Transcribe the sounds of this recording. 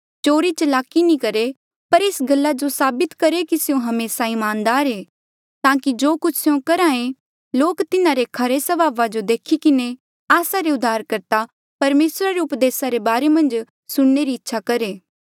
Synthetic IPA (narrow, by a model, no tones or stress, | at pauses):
t͡ʃoːɾit͡ʃəlaːkinĩkɐɾe | pɐɾeːsɡɐlːad͡ʒosaːbɪt̪kɐɾekisɪjõɦɐmeːsaɪmaːnd̪aːɾeː | t̪ãːkid͡ʒoːkʊt͡ʃʰseõkɐɾaːẽ | loːkt̪ɪnaɾekʰɐɾesɐbaːʋad͡ʒod̪eːkʰikɪne | aːsaɾeʊd̪ʱːaːɾkɐɾt̪a | pɐɾmeːsɾaɾeʊpd̪eːsaɾebaːɾemɐ̃nd͡ʒ | sʊɽneɾiɪtːʃʰakɐɾeː